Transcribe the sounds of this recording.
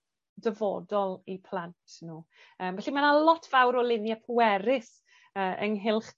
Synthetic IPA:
dəvɔdɔlˠipʰl̥ˠantʰnuː | əːmvɛɬimanalɔtʰv̥awɾɔlɪnjapʰʊɛɾɪs | əːʔə̰ŋɦɪlˠχ

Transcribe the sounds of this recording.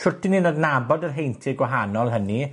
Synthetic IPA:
ɬʊtʰɪninodnabɔdərɦejntʰɪɡwaɦanɔlˠɦəni

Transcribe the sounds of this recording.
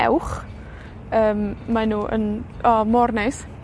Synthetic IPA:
ɛ̰wχ | əːmmanuːʔə̰n | ɔmɔrnɛs

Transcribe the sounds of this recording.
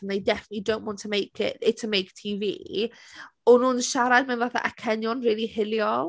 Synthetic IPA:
nejdɛfənətˡlidownʔwɔ̃ntʰəmejkʰɪ̰ɪtʰəmejktʰiːvḭː | ɔnuːnʃaɾad̚mɛnvaθa̰ʔakʰɛnjɔnriːlˠihɪlˠjɔ

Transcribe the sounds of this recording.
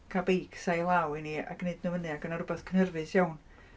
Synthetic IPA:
kʰabejksajlˠawinia̰kneɨdnəvənɨakənaɾʊbɛθkʰənərvɨsjawn

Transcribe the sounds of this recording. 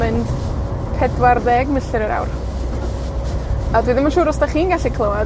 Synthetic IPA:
ɨnd | pʰɛdwarðɛɡməɬɨɾəɾa̰wr | adwiːðɪnmanʃuːɾɔsd̥aχiːnɡaɬikʰlˠəwa

